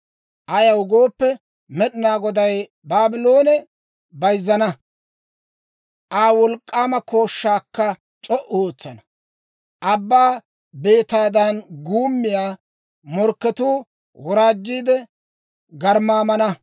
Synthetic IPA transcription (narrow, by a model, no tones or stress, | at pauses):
ʔɐjɐwʊɡo̞ːpːɛ | mɛɗɪnaːɡɔd̪ɐj | baːbɪlo̞ːnɛ | bɐjzːɐnɐ | ʔaːwɔlkʼːaːmɐko̞ːʃːaːkːɐ | t͡ʃʼɔʔoːt͡sːɐnɐ | ʔɐbːaː | be̞ːt̪aːd̪ɐnɡuːmːɪjaː | mɔɾkːɛt̪uː | wɔɾaːd͡ʒːiːd̪ɛ | ɡɐɾmaːmɐnɐ